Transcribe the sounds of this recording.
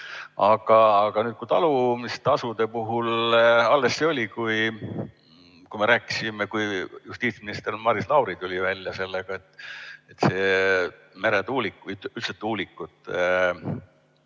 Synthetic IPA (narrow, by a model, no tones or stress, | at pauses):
ɑɡ̥ɑːɡ̥ɑnyːt̪̚kut̪ɑlumist̪ɑsud̪e̞puɦulɑlːe̞sːeo̞lʲikuj | kujme̞ɾæːkːˑi̥sime̞kujjust̪iːt̪sminist̪ermɑɾislɑwɾit̪ulʲivælʲjɑse̞lːeɡ̥ɑe̞t̪ːet̪se̞ː | meɾed̪uːlikːuyyt̪set̪ːuːlikːˑut̪ːˑ